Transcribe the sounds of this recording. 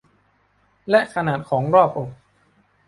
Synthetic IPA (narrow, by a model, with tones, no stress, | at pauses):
lɛ˦˥ʔkʰa˧naː˨˩t̪̚kʰɔː˩˦ŋɾɔː˥˩p̚ʔo˨˩k̚